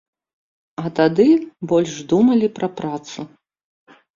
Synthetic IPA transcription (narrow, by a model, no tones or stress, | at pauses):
ɐt̪ad̪ɨbɔlʲʂd̪umɐlʲipɾɐpɾat̪su